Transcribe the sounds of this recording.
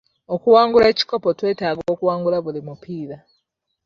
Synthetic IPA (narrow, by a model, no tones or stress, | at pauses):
o̞kuwaːŋɡule̞ːci̥ko̞potwe̞ːtaːɡoːkuwaːŋɡulaβulimupiːɾa